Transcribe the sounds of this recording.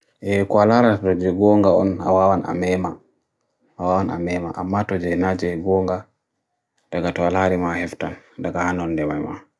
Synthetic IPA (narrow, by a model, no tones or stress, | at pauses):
ʔɛkɔalaɾatɔd͡ʒɛɡɔŋɡaɔ̰na̰wawana̰mɛma | awawana̰mɛma̰ʔamːatɔd͡ʒɛnad͡ʒɛɡɔŋɡa | d̥aɡatɔalaɾimahɛftandaɡahanɔndɛmajma̰